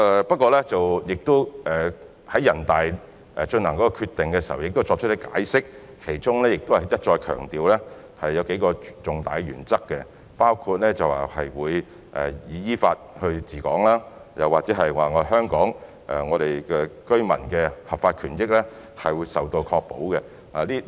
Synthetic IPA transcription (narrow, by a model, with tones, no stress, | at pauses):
ɛː˨pɐ˥t̚kːɔː˧lɛ˥t͡sɐ˨wjɪ˨k̚t̪ʊ˥ʔɛː˨˩ | hɐ˨˦jɐ˨˩nt̪aː˨j | ʔɛ˨t͡ʃɵ˧nlɐ˨˩ŋkɔː˨˥kːɔː˧kʰyː˧t̪ɪ˨ŋkɛː˧siː˨˩hɐ˨wjɪ˨k̚t̪o˥t͡ʃɔː˧k̚t͡ʃʰt̚lɪ˧˥ka̰ː˨˥jsɪ˥k̚ʰ | e˨˩jt͡ʃʊ˥ŋlɛː˥jɪ˨k̚t̪o˥hɐ˨˩jɐ˥t̚t͡ʃɔː˧jkʰœ̰ː˨˩ŋt̪iː˨wlɛ˥ | hɐ˨jːɐ˨˧wke˨˥jkɔː˧t͡sʊ˨˩ŋt̪a̰ː˨jɥy̰ː˨˩nt͡sɐ˥kːɛ˧ | paː˥wkʰu˧t̚lɛː˥t͡sɐ˨wa˨hɐ˨jwuː˨˧j | ʔɛ̰˨jiː˨˧jiː˥faː˧t̚hɵ˧ɥt͡siː˨˩kɔː˨˥ŋlaː˥jɐ˨˩waː˨k̚t͡sɛː˨˥ɦɐ˨jwaː˨˩ŋɔ˨˧ɦœː˥ŋkɔː˨˥ŋ | ʔɛ˨˩ŋɔː˨˧ɾe˨jkɛː˧kɵ˥ɥmɐ̰˨˩nkɛː˧hɐ˨pfaː˧t̚kʰyː˨˩njɪ˥k̚lɛ˥ | hɐ˨jwuː˨˧˥jsɐ˨wt̪o˧wkʰɔː˧k̚po̰˨˥wkɛ˧ | a˨liː˥